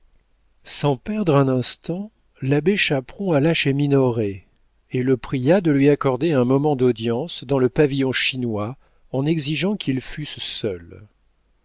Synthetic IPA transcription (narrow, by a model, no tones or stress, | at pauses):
sɑ̃pɛʁd̪ʁɛ̃nɛ̃st̪ɑ̃ | labeʃapχɔ̃alaʃeminɔʁe | eləpχijad̪əlɥiakɔʁd̪eɛ̃mɔmɑ̃d̪ɔd̪jɑ̃sd̪ɑ̃ləpavijɔ̃ʃinwa | ɑ̃nɛɡziʒɑ̃kʰilfyssœl